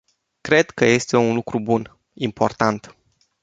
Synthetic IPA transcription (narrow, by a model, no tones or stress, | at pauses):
kɾe̞d̪kəje̞st̪e̞unlukɾubun | impo̞̰rt̪ant̪